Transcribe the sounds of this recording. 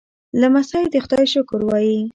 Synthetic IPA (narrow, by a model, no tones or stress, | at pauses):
lamasɑjd̪əxʊd̪ɑjɪʃokʊɾwɑji